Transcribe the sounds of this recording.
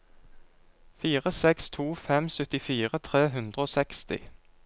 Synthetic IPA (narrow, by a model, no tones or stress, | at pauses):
fiːʁəsɛkst̪ʰuːfɛmsœt̪ɪfiːʁət̪ʰʁeːɦʉnd̪ʁəoːsɛkst̪ɪ̰